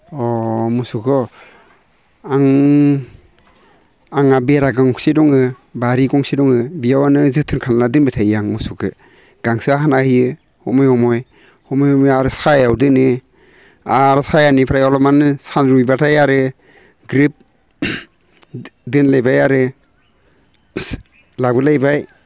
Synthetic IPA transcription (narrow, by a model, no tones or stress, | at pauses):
ɔmusukʰɔ | aŋ | aŋabeɾaɡaŋksidɔŋɯ | baɾikɔŋsidɔŋɯbiawanɯzɯtʰɯnkʰanladɯnbitʰajjaŋmusukʰɯ | ɡ̥aŋsɯaɦanahɯjɯ | hɔmɔjhɔmɔj | hɔmɔjhɔmɔjaɾɯsajawdɯnɯ | aɾsajanipʰɾajɔlɔmanɯsanɾujbatʰajaɾɯ | ɡɾip̚ | dɯnlajbajaɾɯ | labɯlajbaj